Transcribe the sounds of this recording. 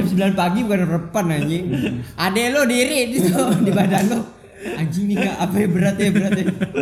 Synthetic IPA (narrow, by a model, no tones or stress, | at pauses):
msəbəlanpaɡibukanrəpanaɲiʔadalodiɾidit̪odibadanlɔ | ad͡ʒinikaʔapajabəɾat̪̚jabəɾat̪a